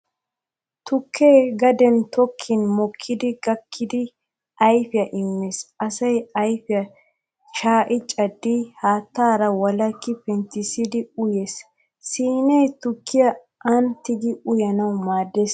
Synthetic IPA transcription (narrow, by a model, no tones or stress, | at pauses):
t̪ʊkʰːeːɡɐd̪ɛnt̪ɔkʰːɪnmɔkʰːɪd̪ɪɡɐkʰːɪd̪ɪ | ʔɐjfɪjɐʔɪmːesɐsɐjɐjfɪjɐ | ʃaːʔɪt͡ʃʼɐd̪ːɪhaːt̪ːaːɾɐwɐlɐkːɪpɛnt̪ɪsɪd̪ɪʊjeːs | siːnɛjt̪ʊkːɪjɐ | ʔɐnt̪ːɪɡɪʊjɐnɐwmaːd̪ːeːs